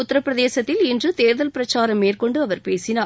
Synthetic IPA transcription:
ʊt̪ːɐɾɐpːɪɾɐðeːsɐt̪ːɪlɪndrɯt̪eːɾðɐlpɪɾɐt͡ʃːaːɾɐmːeːrkɔɳɖɯɐʋɐɾpeːsɪnaː

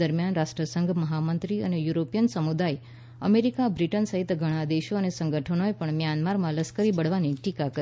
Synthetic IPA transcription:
əɾmjanɾaʃʈɾəsəŋɡʱməɦamənt̪ɾiə̰nejuɾopijənsəmud̪aj | ə̰meɾikabɾiʈənsəɦit̪ɡʱəɽ̃ad̪eʃoənesəŋɡʱəʈʰənoepəɳmjanmaɾmãləskəɾibəɽ̤ʋaniʈikakə

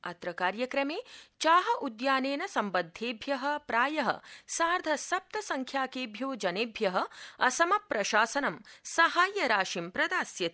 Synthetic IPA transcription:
ɐt̪ɾɐkaːɾjɐkɾɐmeːt͡ʃaːɦɐʔud̪jaːneːnɐsɐmbɐd̪ʱːeːbʱjɐɦɐ̆pɾaːjɐɦɐ̰saːɾd̪ʱɐsɐp̚t̪ɐsɐŋkʰjaːkeːbʱjoːd͡ʒɐneːbʱjɐɦɐ̆ɐsɐmɐpɾɐʃaːsɐnɐmsɐɦaːjɐɾaːʃimpɾɐd̪aːsjɐt̪i̥

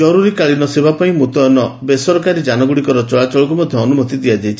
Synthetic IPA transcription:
d͡ʒɔɾuɾikaɭinɔsebapaĩmut̪ɔɔnɔbesɔɾɔkaɾid͡ʒanɔɡuɽikɔɾɔt͡ʃɔɭat͡ʃɔɭɔk̬umɔd̪ʱjɔːnumɔt̪id̪iad͡ʒajt͡ʃʰi̥

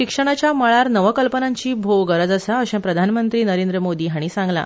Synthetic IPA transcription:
ɕikʂəɽ̃at͡ɕjaməɭaɾnəʋəkəlpənãɲt͡ɕiːbʱoʋɡəɾəd͡zəsəəɕɛ̃pɾəd̪ʱanmənt̪ɾiːnəɾẽnd̪ɾəmod̪iːɦaɽ̃isãŋɡla̰

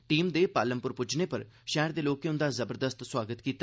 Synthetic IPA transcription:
ʈiːmd̪eːpaːləmpʊɾpʊd͡ʒneːpəɾʃɛːəɾd̪eːloːkeʊ̃nd̪aːzəbəɾd̪əst̪swaːɡət̪kiːt̪

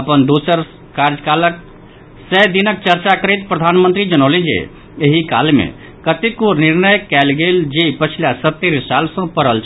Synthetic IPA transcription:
əpənd̪usəɾ | kaɾd͡ʒəkalək | sɛd̪inək̚t͡ʃəɾt͡ʃakəɾit̪pɾəd̪ʱanmə̃nt̪ɾid͡ʒənolĩd͡ʒḛ | eɦika̰lmḛ̃ | kət̪ikoniɾnəjkɛlɡeld͡ʒepət͡ʃʰilasət̪ːeɾsalsə̃pəɾəlt͡ʃʰ

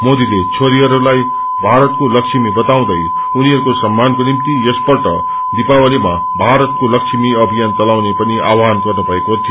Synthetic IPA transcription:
mod̪ilet͡ʃʰoɾiʌɾlaj | bʱaɾət̪̚kolʌkʃimibʌt̪aw̃d̪əj | uniɦʌɾukosɐmːankonimt̪ijespʌɾʈʌ̰ | d̪ipawəlima̰ | bʱaɾət̪̚kolʌkʃimiʌbʱijantʌlawnepəniʔa̰wanɡʌɾnubʱʌekot̪ʰij

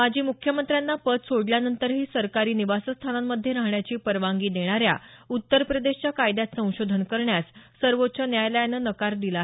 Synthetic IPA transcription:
mad͡ʑʱiːmukʰjəmənt̪ɾjanːapət̪soɽljanənt̪əɾɦiːsəɾkaɾiːniʋasəst̪ʰanamːəd̪ʱːjeɾaɦɳjat͡ɕiːpəɾʋaŋɡiːd̪eɽ̃aɾja̰ut̪ːəɾpɾəd̪eɕt͡ɕjakajd̪jat̪sə̃w̃ɕod̪ʱənkəɾɳjassəɾʋot̪ːt͡ɕənjajlajanːənəkaɾd̪ilaɦe

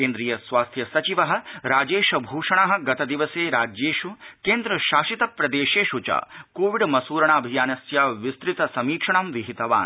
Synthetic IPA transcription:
keːnd̪ɾijɐsʋaːst̪ʰjɐsɐt͡ʃiʋɐɦɐ̆ɾaːd͡ʒeːʃɐbʱuːʂɐɳaɦɐ̆ɡɐt̪ɐd̪iʋɐseːɾaːd͡ʒeːʂukeːnd̪ɾɐʃaːʃit̪ɐpɾɐd̪eːʃeːʃut͡ʃa̰ːkoːʋiɖmɐsuːɾɐɳaːɐbʱijaːnɐsjaːʋist̪ɾit̪ɐsɐmiːkʂɐɳɐmʋiɦit̪ɐʋa̰ːn

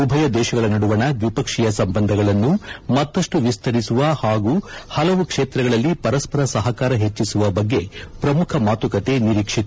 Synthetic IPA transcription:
ubʱɐjɐd̪ɛːʃɐɡɐɭɐnɐɽuʋɐɳɐʋipɐkʂijɐsɐmbɐnd̪ʱɐɡɐɭɐnːumɐt̪ːɐʂʈuʋist̪ʰɐɾisuʋɐhaːɡuːhɐlɐʋukʂeːt̪ɾɐɡɐɭɐlːipɐɾɐspɐɾɐsɐɦɐkaːɾɐɦet͡ʃːisuʋɐbɐɡːe̞pɾɐmukʰɐmaːt̪ukɐt̪e̞niɾiːkʂit̪

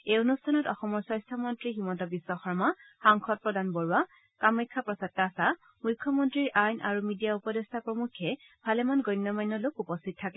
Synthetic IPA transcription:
eonustʰanɔtɔxɔmɔɹsɔ̃jstʰɔmɔntɹiximɔntɔbisːɔxɔɹmaxaŋxʰɔt̚pɹɔdanbɔɹua | kamɔkʰːapɹɔsatːasa | mujkʰːɔmɔntɹiɹʔajnʔa̰ɹumidijaupɔdestʰapɹɔmukʰːɛ | bʱalɛmanɡɔjnːɔmajnːɔlokupɔstʰit̚tʰːakɛ

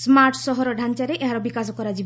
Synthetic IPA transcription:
smaɾʈsɔɦɔɾɔɖʱant͡ʃaɾeʔeɦaɾɔbikas̬ɔkɔɾad͡ʑib

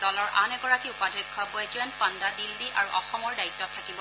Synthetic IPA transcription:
d̥ɔlɔɹʔanɛɡɔɹakiupadʱɔkʰːɔbɔjd͡ʒɛnpandadildiʔʔaɹuʔɔ̰xɔmɔɹdaitːɔtʰːakibɔ

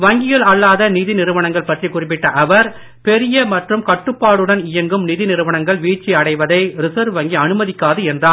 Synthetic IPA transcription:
ʋɐŋɡɪjɐlɐɭːaːðɐniðɪnɪɾɯʋɐɳɐŋɡɐɭpɐʈrikʊrɪp̬ːɪʈːɐʔɐʋɐɾ | pɛɾɪjɐmɐʈrɯmkɐʈːɯpːaːɽɯɽɐnɪjɐŋɡɯmniðɪnɪɾɯʋɐɳɐŋɡɐɭʋiːʈt͡ʃːiɐɽɐɪʋɐðɐɪɾɪsɐɾʋɐŋɡiɐnɯmɐðɪkːaːðɯɛndraː

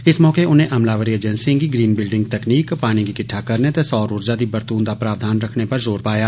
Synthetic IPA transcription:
ɪsmɔːkeʊnɦẽʔɐmlaːʋəɾied͡ʒɛ̃nsɪ̃ŋkiɡɾiːnbɪlɖɪ̃ŋɡt̪ɛkniːkpaːnikikɪʈʰakɐɾnet̪esɔːɾoːɾd͡ʒad̪ibɐɾt̪uːnd̪apɾaːʋd̪ʱaːnɾɐkʰnepɐɾzoːɾpaːjaː

